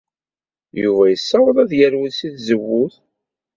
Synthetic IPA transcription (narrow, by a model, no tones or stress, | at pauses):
juvæjəsːæwəðˤæðjəɾwiðsiθzəwːʊθ